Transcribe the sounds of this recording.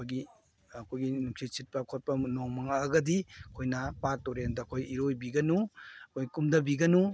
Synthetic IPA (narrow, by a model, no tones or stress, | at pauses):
kʰojɡi | ɐkʰojɡinuksisit̚pɐkʰot̚pɐnoŋmɐŋaːɡɐdikʰojnɐpatoɾendɐkʰojiɾojbiɡɐnuɐkʰojɡikumdɐbiɡɐnu